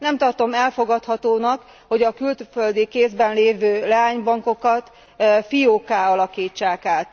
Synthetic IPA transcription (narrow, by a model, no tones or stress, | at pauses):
nɛmt̪ɒrt̪o̞mɛlfo̞ɡɒt̪hɒt̪oːnɒk | ho̞ɟɒkylt̪føld̪ikeːzbɛnleːvøːlɛaːɲbɒŋko̞kɒt̪ | fijoːkaːɒlɒkiːt͡ʃːaːkaːt̪